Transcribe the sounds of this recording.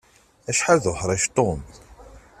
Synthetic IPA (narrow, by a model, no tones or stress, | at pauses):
æʃħaðħɾˤɑʃt̪ˤomθ